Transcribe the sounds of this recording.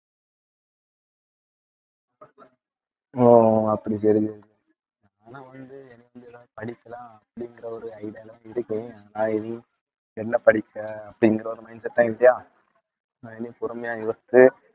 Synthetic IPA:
oːɐpːɐɽis̬ɐɾisɛɾ | aːnãːʋɐnd̪ɯɛnːɪʋɐnd̪ɯɛðaːpɐɽɪkːɐlãːɐpːɐɽɪŋɡɪɾɐɔɾɯɐɪɽlãːɪɾɯkːẽːaːnãːɛni | ɛnːɐpɐɽɪkːɐɐpːɐɽɪŋɡɪɾɐɔɾɯmɐɪnsɛʈ̪ːãːɪʈːijaː | aɛnːipɔɾɯmɐjaːjoːst̪ːɯ

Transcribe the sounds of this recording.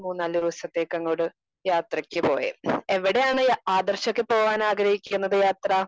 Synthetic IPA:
muːnːaːld̪iʋɐsɐt̪ːeːkːɐŋːoːɽɨ | jaːt̪rɐkʲːɨpo̞̰ːjḛeʋiɽe̞jaːɳɨaːd̪ɐrɕokːepo̞ːʋaːnaːɡɾɐhikʲːunːɐðɨjaːt̪rɐ

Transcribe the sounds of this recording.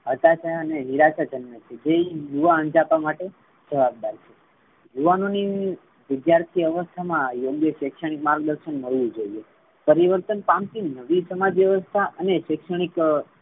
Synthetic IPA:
ɦət̪aʃəəneniɾaʃad͡ʒənmət͡ʃʰed͡ʒejuʋaənd͡ʒapːamaʈe | d͡ʒəʋab̚d̪aɾt͡ʃʰe | juʋanoni | ʋɪd̪jaɾt̪ʰiəʋəst̪ʰamãjoɡjəʃekʃəɽ̃ikmaɾɡ̚d̪əɾʃənməɭʋũd͡ʒoie | pəɾiʋəɾt̪ənpamt̪ʰinəʋisəmad͡ʒʋjəʋəst̪ʰaʔəneʃekʃəɽ̃ik

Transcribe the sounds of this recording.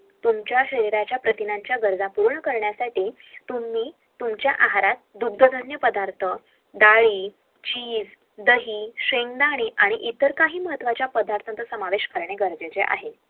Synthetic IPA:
t̪umt͡ɕjaɕəɾiɾat͡ɕjapɾət̪inaɲt͡ɕjaɡəɾd͡zapuɾɳəkəɾɳjasaʈiː | t̪umiː | t̪umt͡ɕjaʔaɦaɾat̪̚d̪ud̪ʱːəd̪ʱənjəpəd̪aɾt̪ʰə | d̪aɭiː | t͡ɕiːd͡z | d̪əɦiːɕeŋd̪aɽ̃iːʔaɽ̃iʔit̪əɾkaɦiːməɦət̪ʋat͡ɕjapəd̪aɾt̪ʰənt̪əsəmaʋeɕkəɾɳeɡəɾd͡zet͡seʔa̰ɦe

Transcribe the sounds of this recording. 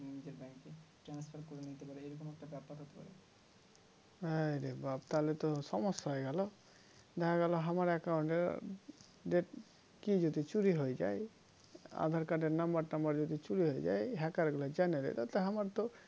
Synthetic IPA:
munid͡ʒeɾbɛŋke | ʈɾanspʰaɾkɔɾenit̪epaɾeejɾɔkomɛk̚ʈabɛpat̪ɦot̪epa̰ɾe | ajɾebabt̪alet̪ɔsɔmɔst̪ɔɦɔeɡɛlɔ | d̪ɛkʰaɡɛlɔɦamaɾɛkawɳʈeɾ | ɖeɾ | kid͡ʒod̪it͡ʃuɾiɦojd͡ʒa̰j | a̰d̪ʱaɾkaɖeɾnambaɾnambaɾd͡ʒɔd̪it͡ʃuɾiɦojd͡ʒa̰jɦɛkaɾɡulad͡ʒaned̪ḛt̪at̪eɦamaɾt̪ɔ

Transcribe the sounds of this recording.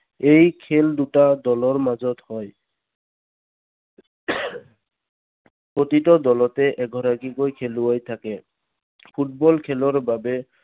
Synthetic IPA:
ejkʰeldutadɔlɔɹmazɔthɔj | potitɔdɔlɔtɛʔɛɡʱɔɹaɡikojkʰeluajtʰakɛ | pʰut̚bɔlkʰɛlɔɹbabɛ

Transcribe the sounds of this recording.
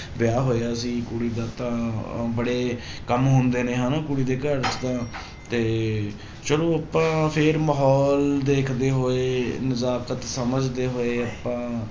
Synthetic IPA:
ʋɪjaːɦoːjaːsiːkʊɽiːd̪aːt̪ãːbəɽeːkəmɦõːnd̪eːnẽːɦãːnaːkʊɽiːd̪eːkəɾt͡ʃt̪ãː | t̪eː | t͡ʃəlõːapãːpʰɪɾmaɦɔːld̪eːkʰd̪eːɦoːeːnəzaːkət̪səməd͡ʒd̪eːɦoːeːapãː

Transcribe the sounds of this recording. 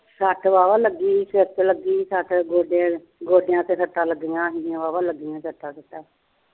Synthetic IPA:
səʈʋaːʋaːləɡiːsət̪ləɡiːsəʈɡoːɖ | ɡoːɖɪjãːt̪eːsəʈːaːləɡːijãːɦɪjãːʋaːʋaːləɡːijãːsəʈːaːsəʈːaː

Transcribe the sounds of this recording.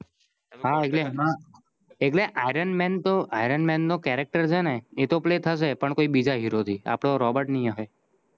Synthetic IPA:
ɦaeklemã | ek̬leʔaiɾənmɛnt̪oʔaiɾənmɛnːokɛɾɛk̚ʈəɾt͡ʃʰeneet̪oplet̪ʰəʃ̬epəɳkoibid͡ʒaɦiɾot̪ʰia̰pɽ̃oɾɔbəɾʈnijaɦe

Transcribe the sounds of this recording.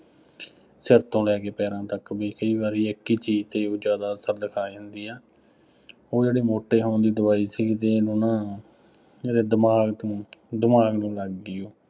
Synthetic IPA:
sɪɾt̪õːlɛːkeːpɛːɾãːt̪əkbiːkəiːβaːɾiːəkːiːt͡ʃiːd͡ʒt̪eːoːd͡ʒjaːd̪aːsəɾd̪ɪkʰaːiɦʊnd̪iːɛː | oːd͡ʒeːɽiːmoːʈːeːɦoːnd̪iːd̪əʋaːiːsiːt̪eːnonãː | d͡ʒeːɽeːd̪əmaːɡt̪õːd̪ɪmaːɡnũːləɡːɪjoː

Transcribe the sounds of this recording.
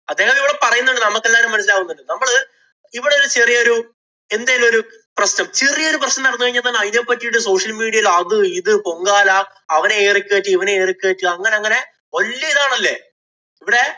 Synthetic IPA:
ɐd̪ːe̞ːɣɐmiʋiɽepɐrɐjunːoɳɖɨnɐmɐkːelːaːɾumːɐnɐs̬ilaːɣunːuɖɨnɐmːɐɭ | iʋiɽelːɐt͡ɕerijɐo̞ɾu | e̞nd̪aːjaːlo̞ɾu | prɐsnɐmt͡ɕerijɐo̞ɾuprɐɕnɐnɐɽɐnːukɐɻiɲːɐt̪ɐːnːɐjðjepːɐtːijuɽɨso̞ːʂɐlmiːɽiɐjilɐðɨiðɨpo̞ŋɡaːlaː | ɐʋɐneeːrikʲːeːʈːɨiʋɐneeːrikʲːeːʈːɨɐŋːɐne̞ɐŋːɐne̞ | ʋɐlːɐiðaːɳɐlːḛ | iʋiɽe̞

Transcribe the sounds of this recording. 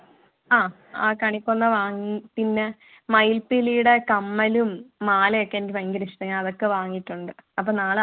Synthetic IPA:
aː | aːkɐɳikʲːonːɐʋaːŋːipinːe | mɐjlpilijuɽe̞kɐmːɐlumːaːlɐjokːeendimɐŋɡɐliʂuðɐŋːɐɐðo̞kːe̞ʋaːŋːiʈːuɳɖɨɐp̬ːoːnaːɭ

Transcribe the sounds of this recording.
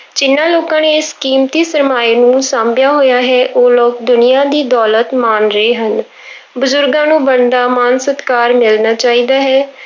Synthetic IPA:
t͡ʃɪnːãːloːkãːneɪskiːmt̪iːsəɾmaːiːnũːsãːmbjaːɦoːjaːɦɛːʔoːloːkd̪ʊnɪjãːd̪iːd̪ɔːlət̪maːnɾəeːɦən | bʊzʊɾɡãːnũːbənd̪aːmaːnsət̪kaːɾmɪlnaːt͡ʃaːiːd̪aːɦɛː

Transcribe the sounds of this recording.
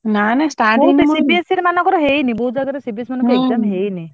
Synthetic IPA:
nanasʈaotesibiesiɾmanɔkɔɾɔɦejniboɦud͡ʒaɡaɾesibiesmanɔkɔɾeɖamɦejni

